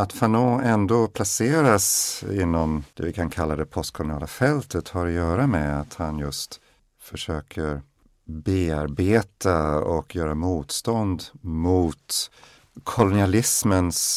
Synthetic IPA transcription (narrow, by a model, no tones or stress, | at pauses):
at̪fanoːɛnd̪oːpʰlaseːɾasɪnːɔmd̪̥ɛvɪkʰankʰalːad̪ɛpʰɔst̪̚kʰɔlʊnɪɑ̰ːlafɛlt̪ət̪haɾɔjœːɾamɛat̪hanjɵst̪ | fœʂøːkʰəɾ | beːaɾbeːt̪ʰaɔkjœːɾamuːt̪st̪ɔnd̪muːt̪ | kʰɔlʊnɪalɪsməns